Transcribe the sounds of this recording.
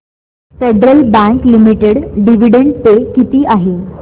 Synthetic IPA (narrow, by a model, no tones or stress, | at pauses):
feɖɾəlbæ̃ŋklimiʈeɽɖiʋiɽeɳɖt̪ekit̪iːʔaɦe